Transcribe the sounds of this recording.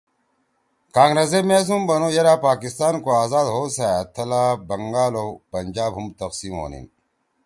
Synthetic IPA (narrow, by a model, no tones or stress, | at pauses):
kaːŋɡɾɐzemeːs̬umbɐnojɐɾaːpaːkist̪aːnkoaːzaːd̪ɦoːsaːt̪ʰːɐlaːbɐŋɡaːloːpɐnʲd͡ʑaːbɦumt̪ɐqsiːmɦo̰ːnḭn